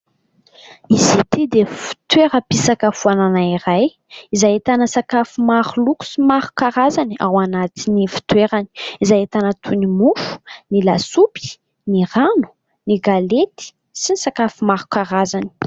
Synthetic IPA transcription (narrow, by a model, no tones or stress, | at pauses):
izit̪id̪efi̥t̪weɾəpisakəfuananaiɾaj | izajet̪anəsakafumaɾuluku̥simaɾu̥kaɾazaniawanat̪inifu̥t̪weɾani̥izajet̪anət̪ʰunimufu̥nilasupi̥ | niranu̥ | niɡalet̪i̥ | sinisakafumaɾu̥kaɾazani̥